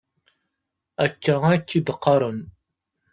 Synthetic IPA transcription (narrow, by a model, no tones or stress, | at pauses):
ækːæækːid̪əqːɑɾˤən